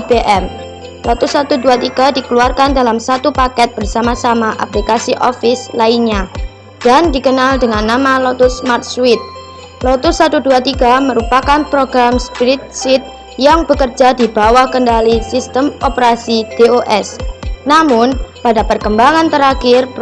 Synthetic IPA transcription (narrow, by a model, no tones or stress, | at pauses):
beʔɛm | lɔt̪ʊsat̪uduat̪iɡ̥adikəluarkandalamsat̪upakɛt̪̚b̥ərsamasamaʔa̰plikasiʔɔfɪslainɲa | d̥andikənaldəŋanːamalɔt̪ʊsmart̪̚swɪt̪̚ | lɔt̪ʊsːat̪uduat̪iɡaməɾupakanpɾoɡɾamspiɾɪt̪̚sɪt̪̚ | jaŋb̥əkərd͡ʒadibawahkəndalisist̪əmɔpəɾasid̥eoʔɛsnamʊnpadapərkəmbaŋant̪əɾakɪrp